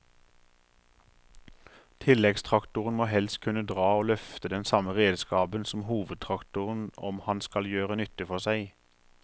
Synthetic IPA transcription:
t̪ʰɪlɛɡst̪ʰʁɑkt̪ʊʁən̩moːhɛls̚kʰʉnəd̪ʁɑːoːlœft̪əd̪ɛnsɑməʁeːd̪skɑːbənsɔm̩huːʋəd̪̚t̪ʰʁɑkt̪ʊʁən̩ɔ̰mhɑnskɑljøːʁənʏt̪əfɔʁsæɪ

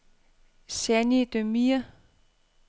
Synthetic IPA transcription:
sænid̥̪ømiɐ

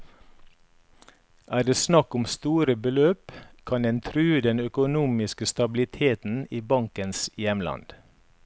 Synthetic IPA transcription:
ʔæːd̪eːsnɑkʊmst̪uːɾəbəløːpkʰɑnd̪ɛnt̪ʰɾʉːd̪ɛnœkʊnuːmɪskəst̪ɑblɪt̪ʰeːt̪n̩iːbɑŋkənsjɛmlɑ̰nd̪̥

